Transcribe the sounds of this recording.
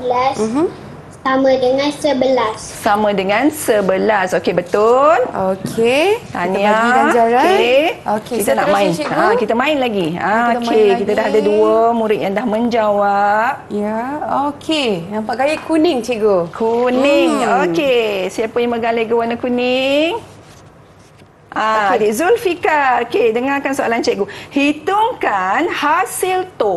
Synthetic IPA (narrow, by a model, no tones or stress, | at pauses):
bəlas | samãdəŋãnsəbəlas | samãdəŋãnsəbəlasokebət̪ʊlokʰet̪aniaad͡ʒaɾaeokekit̪anaʔmãɪniakit̪amãɪnlaɡiãkekit̪adaɦadaduəmuɾɪt̪̚jaŋdahmə̃ɲd͡ʒawap̚aokʰeapaʔɡajikunɪŋt͡ʃiɡokʰunɪŋokesiapəjaŋməɡalaɡəwanakuniŋ | ʔãdizulfikaokedəŋakansoa̰lant͡ʃɛʔɡuhit̪uŋkanhasilt̪o